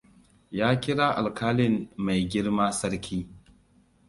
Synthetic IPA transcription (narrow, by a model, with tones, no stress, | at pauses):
jaː˦kʲɪ˦ɽaː˦ʔa˨lkaː˦lɪ˦mːa˨jɡʲɪ˦ɽmaː˦sɐ˦ɽkʲʰiː˦